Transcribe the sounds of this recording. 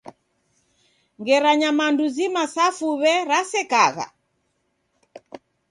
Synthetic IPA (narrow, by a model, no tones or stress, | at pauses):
ŋɡɛɾaɲamanduzimasafuβɛɾasɛkaɣa̰